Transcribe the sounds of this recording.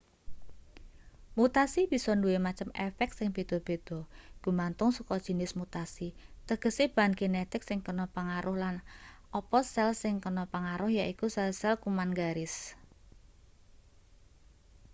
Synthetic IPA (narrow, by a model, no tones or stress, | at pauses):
mut̪asib̥isɔnduemat͡ʃəmɛfɛk̚t̪sɪŋb̥e̤d̪̥ɔ̤b̥e̤d̪̥ɔ̤ɡ̥ṳmant̪ʊŋsukɔd̥ʒ̥i̤nɪsmut̪asit̪əɡ̥ə̤sib̥a̤nɡ̥enet̪ɪksɪŋkənɔpəŋaɾʔʊhlan | ʔɔpɔsɛlsɪŋkənɔpəŋaɾʊhjaʔikusɛlsɛlkumanɡaɾɪs